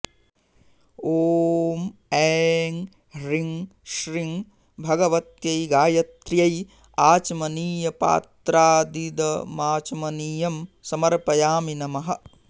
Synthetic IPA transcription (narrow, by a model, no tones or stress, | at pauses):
oːmɛːŋ | ɾiŋʃɾiŋ | bʱɐɡɐʋɐt̪jɐjɡaːjɐt̪ɾjɐj | aːt͡ʃɐmɐniːjɐpa̰ːt̪ɾaːd̪id̪ɐmaːt͡ʃɐmɐniːjɐmsɐmɐɾpɐjaːminɐmɐɦɐ̆